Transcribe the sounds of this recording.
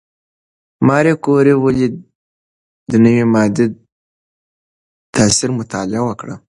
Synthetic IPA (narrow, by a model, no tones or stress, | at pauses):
mɑːɾekoɾewəli | d̪ənəwimɑd̪e | t̪asiɾmʊt̪ʰa̰lawəkɽa̰